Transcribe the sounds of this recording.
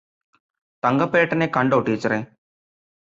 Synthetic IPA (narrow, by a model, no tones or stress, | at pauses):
t̪ɐŋɡɐpːeːʈːɐnekɐɳɖoːʈːiːt͡ɕːɐɾeː